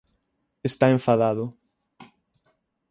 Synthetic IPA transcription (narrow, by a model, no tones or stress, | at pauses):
est̪aeɱfaðaðʊ